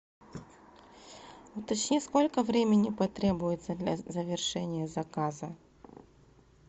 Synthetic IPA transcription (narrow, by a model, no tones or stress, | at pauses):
ʊt̪ɐt͡ɕnʲesko̞lʲkəvɾʲemʲɪnʲɪpɐt̪ɾʲe̞bʊjɪt̪səd̪lʲɐ̰zəvʲɪrʂɛnʲɪjəzɐkazə